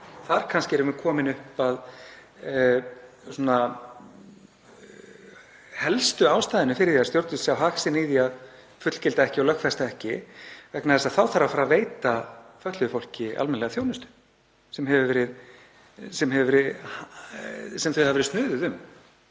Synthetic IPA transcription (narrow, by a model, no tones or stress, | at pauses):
θaɾkʰanscɪɛɾʏmɛɾkʰɔːmɪnʏhpað | sɔna | hɛlst̪ʏaːwst̪ajðɪnʏfɪɾɪɾθiast̪jowɾt̪ʏssjawɦaksɪniðiað | fʏt̪l̥cɪlt̪aɛhcɪɔlœhkfɛst̪aɛhcɪvɛknaðɛsaθawθaɾafaːɾaveːjt̪afœt̪lʏʏfowl̥cɪa̰lmɛnlɛɣaθjownʏst̪ʏ̥ | sɛmɦɛvʏvɛːɾɪð | sɛmɦɛvʏvɛɾɪð | sɛmθœɥhavɛɾst̪nʏːðʏðʏm